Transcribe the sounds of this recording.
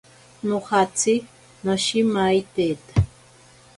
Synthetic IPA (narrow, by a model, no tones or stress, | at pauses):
noχat͡sʰi | naʃimajt̪eːt̪ḁ